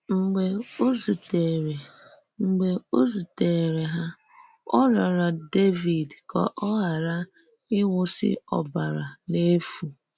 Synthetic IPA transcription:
ŋ͡m̩˨ɡ͡be˨o˦zu˨te˨ɾe˨ | ŋ͡m̩˨ɡ͡be˨o˦zu˨te˨ɾe˨ɦa˦ | ɔ̰˦ɾɔ˨ɾa˨de˦vi˨dkɔ̰˨ʔɔ˦ɦa˨ɾa˦ | ɪ˦ŋʊ˦sɪ̰˦ɔ̰˨ba˨ɾa˨ne˦fu˨

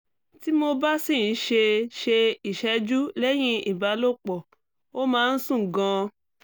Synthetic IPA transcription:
ti˦mo˧ba˦si˦˨˦ʃe˧ʃe˧i˨ʃɛ˧˦d͡ʒu˦lɛ˦j̃ĩ˦i˨ba˨˦lo˦˨k͡pɔ˨ | o˦mãː˦˧n̩˦sũ˦˨ɡã˧

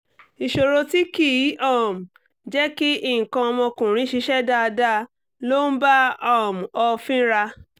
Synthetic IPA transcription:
i˨ʃo˨ɾo˧ti˦ki˦˨˦ɔ˦˨m̩˨ | d͡ʒɛ˦ki˦i˦˨ŋ̩˨kã˧ɔ˧mɔ̃˧kũ˨ɾ̃ĩ˨˦ʃi˧˦ʃɛ˦da˧da˦ | lo˦n̩˦ba˦ɔ˦˨m˨ɔ˧fĩ˦ɾa˧

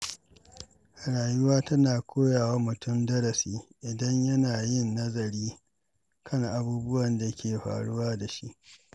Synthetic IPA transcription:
ha˨ɽaː˨jʊ˦waː˦tɐ˦naː˨kʰʷoː˦jaː˨wa˦mʊ˨tʊ˦mdɐ˦ɾɐ˨siː˦ʔɪ˨dɐ˦ɲjɐ˦naː˨jɪ˦˨nːɐ˦zɐ˨ɾiː˦ | kʰɐ˦ŋʔa˨buː˦bʊ˦wɐ˨nda˨˦kʲeː˨ɸa̰ː˨ɽʊ̰˦waː˦da˨ʃḭ˦ʔ

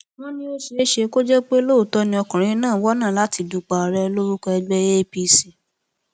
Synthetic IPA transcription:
wɔ̃˦nĩ˦o˦ʃe˧e˦ʃe˧ko˦d͡ʒɛ˦k͡pe˦lo˦u˨tɔ˧˦nĩ˧ɔ˧kã˨ɾ̃ĩ˧˦nãː˦˨wɔ˦nã˦˨la˨˦ti˧du˧k͡pa˧ɔ˨˧ɾɛ˧lo˦ɾu˦kɛ˧ɛ˧ɡ͡bɛ˦e˦pi˧si˨

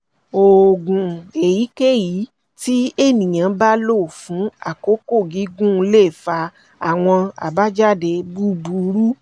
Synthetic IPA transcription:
o˨ɡũ˨e˨ji˨˦ke˦ji˨˦ | ti˦e˦˨nĩ˨j̃ã˨˧˦ba˦lo˦˨fũ˨˦a̰˦˨ko˨˦ko˦˨ɡi˨˦ɡũ˦˧˦le˦˨fa˧ | a˨w̃ɔ̃˧a̰˨ba˦d͡ʒa˦˨de˧˨bu˦bu˨˦ɾu˦

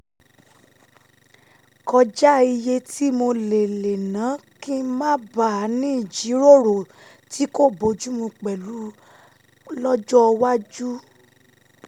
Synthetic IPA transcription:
kɔ˧d͡ʒa˦i˧je˧ti˦mo˧le˨le˨nã˨˦kĩ˦mã˦ba˦˨˦nĩ˦˨d͡ʒi˨˦ɾo˦˨ɾo˨ | tʰi˨˦ko˦˨bo˨˧˦d͡ʒu˦mũ˧k͡pɛ˨lu˨˦ | lɔ˦d͡ʒɔ˦˧wa˦d͡ʒu˦

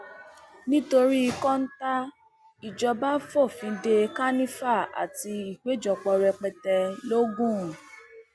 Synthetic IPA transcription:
nĩ˦to˧ɾi˦i˧kɔ̃˦n̩˦ta˦ | i˨d͡ʒɔ˧ba˦fɔ˦˨fĩ˨˦de˧ka˦nĩ˦fa˦˨a̰˨ti˧i˨k͡pe˨˦d͡ʒɔ˧˨k͡pɔ˧ɾɛ˧k͡pɛ˧tɛ˧lo˦ɡũ˦˨

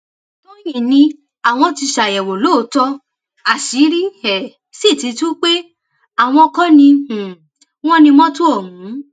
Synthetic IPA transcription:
tɔ̃˦jĩ˦˨nĩ˧ | a˨w̃ɔ̃˧ti˧ʃa˨jɛ˨wo˨lo˦˨˦tɔ˧ | a˨ʃi˨˦ɾi˦ɛ˨ | si˦˨ti˧tu˦k͡pe˦ | a˦˨w̃ɔ̃˧kɔ̃˦nĩ˧˨ | w̃ɔ̃˦nĩ˧mɔ̃˦tu˦o˦˨mũ˨˦

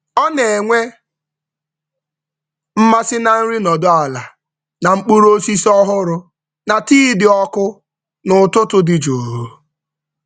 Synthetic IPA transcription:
ɔ˦ne˨ŋʷe˦ | m̩˦ma˦sɪ˦na˨n̩˦ɾi˦nɔ˨dʊ˦a˨la˨ | na˨ŋ͡m̩˦k͡pu˦ɾo˦si˦sɔ˦ɦʊ˦ɾʊ˨ | na˨tiː˦dɪ˨ɔ˦kʊ˦ | nʊ˨tʊ˦tʊ˦dɪ˨d͡ʒo˨ɦo˦

